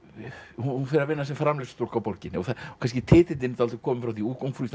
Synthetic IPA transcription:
huhunfɪɾavɪnːas̬ɛmfɾamlɪst̪ol̥kawpoɾcɪnːɪɔθaɔkʰans̬cɪt̪ʰɪːt̪ɪɪnt̪alt̪ʏ̥kʰɔːmɪmfɾawθiuːkowŋkfɾust̪

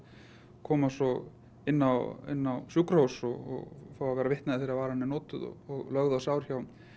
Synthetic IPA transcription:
kʰɔːmasɔ | ɪnːawɪ̰nːawsukɾhowsɔɣɔ̰ɣfaːwavɛːɾavɪht̪naðɪθeːɾavaːɾahanːɪnɔːt̪ʏðɔ̰ɔɣlœɣðawsaːwɾ̥çaw

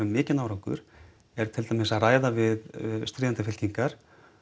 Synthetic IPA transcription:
ʏmːɪːcɪnaːwɾawŋkʏ̰ɾ̥ | ɛɾ̥t̪ʰɪlt̪amɪsaðraːjðavɪðst̪ɾɪːðnt̪afɪl̥ciŋkaɾ̥

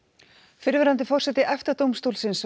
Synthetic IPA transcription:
fɪɾvɛɾant̪ɪfɔr̥sɛt̪ɪʔɛft̪at̪owmst̪oːwlsɪns

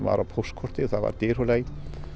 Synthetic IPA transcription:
va̰ɾapʰɔskʰɔr̥t̪ɪθaðva̰ɾt̪ɪr̥ulej

